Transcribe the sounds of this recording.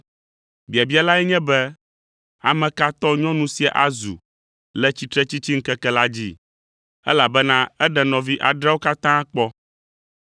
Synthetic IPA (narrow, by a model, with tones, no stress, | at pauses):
bi˨a˨bi˦a˨la˦ɛ˦ɲɛ̃˦bɛ˦ | a̰˨mɛ̃˨ka˦t̪ɔ˦ɲɔ̃˦nũ˦si˦a˨ʔa˦zṵ˨ | lɛ˦t͡ɕi˦t̪ɾɛ˦t͡ɕi˦t͡ɕi˦ŋ̩˦kɛ˦kɛ˦la˦d͡ʑḭ˦ | ɛ̰˦la˨bɛ˦nã˦ɛ˦ɖɛ˨nɔ̃˨vi˦ʔa˨ɖɾɛ˦wo˦ka˦t̪ã˦k͡pɔ˦